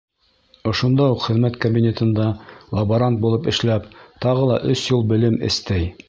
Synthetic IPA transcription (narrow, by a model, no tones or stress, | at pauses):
ŏʃŏnd̪ɑuqχɘ̆ðmæt̪kɐbʲinʲet̪ɤ̆nd̪ɑlˠɐbɐɾant̪̚bulˠɤpɘ̆ʃlæp̚t̪ɑʁɤlˠɑʔɵsjulˠbɘ̆lɘmɘ̰̆st̪æj